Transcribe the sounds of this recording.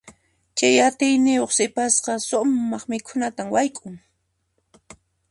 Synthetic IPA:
t͡ʃajat̪ɪjnɪjoχsɪpasqɑsʊmːɑχmɪkʰʊnat̪amwajkʼʊŋ

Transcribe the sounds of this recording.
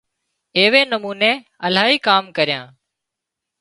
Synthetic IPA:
eːʋeːnəmuːneː | əlaːɦiːkaːmkəɾɪjã̰ː

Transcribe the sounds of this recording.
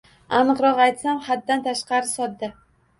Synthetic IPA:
anɨqɾɒqajt̪samχad̪ːant̪ʰaʃqɑɾɪsɒd̪̚d̪a

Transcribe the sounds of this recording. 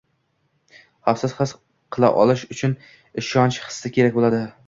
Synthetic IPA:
hafsɪz̥hɨs | qʰɨlˠa̰ʔɒ̰lˠɪʃʊt͡ʃʰʊn | ɪʃɒnt͡ʃhɨ̥sːɪkʲʰe̞ɾak̚ʲbolad̪ɪ

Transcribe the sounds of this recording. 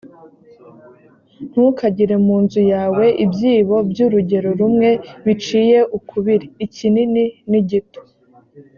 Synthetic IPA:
n̥hukaɟiɾe̞muːnzujaːwe̞ʔibjiːβo̞bjuɾuɟe̞ɾo̞ɾumŋe̞βit͡ʃiːje̞ʔukʰuβiɾiːcinininiɟito̥

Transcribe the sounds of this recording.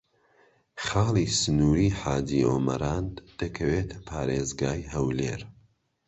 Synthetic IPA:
χɑːlˠiːsɨnuːɾiːħaːd̪iːo̰ːmɐ̰ɾaːnd̪̥ɐkʰɐweːt̪ʰɐ̥pʰaːɾeːzɡaːjɦɐwleːɾ

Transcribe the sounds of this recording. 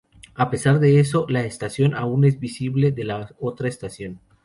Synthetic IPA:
ape̞saɾðe̞eso̞laest̪asjo̞naune̞zbisiβle̞ðe̞lao̞t̪ɾaest̪asjo̞n

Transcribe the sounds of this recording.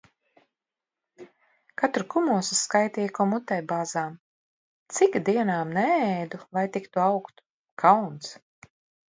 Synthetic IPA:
kat̪ɾukumuɔsiskajt̪iːjkɔmut̪ɛjbaːzaːm | t̪sikd̪iɛnaːmnɛɛjd̪ulˠajt̪ikt̪uawkt̪ | kʰawnt̪s

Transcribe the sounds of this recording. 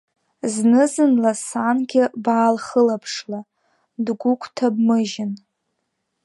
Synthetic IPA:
znɨzɨnlasanɡʲɪbaːlχəlapʰʂla | dɡʷʊkʷʰʼtʰabmɨʒɪn

